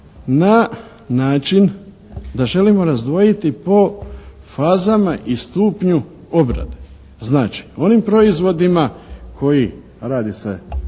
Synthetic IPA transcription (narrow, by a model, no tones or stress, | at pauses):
na | naːt͡ʃin | d̪aʒe̞limo̞ɾazd̪ʋo̞jit̪ipo̞ | faːzamaʔist̪uːpɲu | o̞bɾa̰d̪e | znaːt͡ʃi̥o̞nimpɾo̞izʋo̞d̪imakʰo̞ji | ɾaːd̪isḛ